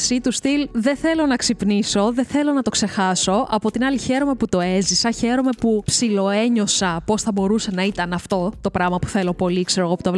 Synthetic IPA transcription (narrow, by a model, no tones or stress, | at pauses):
sit̪ust̪ilðeθe̞lo̞nɐksipniso̞ðe̞θe̞lo̞nɐt̪o̞kse̞xɐso̞ʔɐpo̞t̪inɐliçeɾo̞me̞put̪o̞e̞zisɐçe̞ɾo̞me̞pupsilo̞e̞ɲo̞sɐpo̞sθɐbo̞ɾusenɐit̪ɐnɐft̪o̞t̪o̞pɾɐmɐpu̥θe̞lo̞po̞likseɾoɣoput̪ov